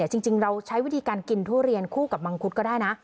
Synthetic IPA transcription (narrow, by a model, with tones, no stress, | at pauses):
ɛː˨˩t͡ɕi˧ŋt͡ɕi˧ŋɾa˧wt͡ɕʰa˦˥jwi˦˥t̪ʰiː˧kaː˧nki˧nt̪ʰu˥˩ɾi˧ənkʰuː˥˩ka˨˩p̚ba˧ŋkʰu˦˥t̪̚kɔː˥˩daː˥˩jna˦˥ʔ